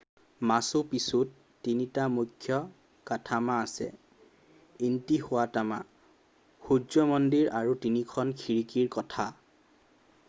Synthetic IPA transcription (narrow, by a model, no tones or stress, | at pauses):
masʊpisutː | initamujkʰːjɔ | katʰamaːsɛ̰ | intihʊwatama̰ | xuzɔmɔndiɹaɹutinikʰɔnkʰiɹikiɹkɔtʰa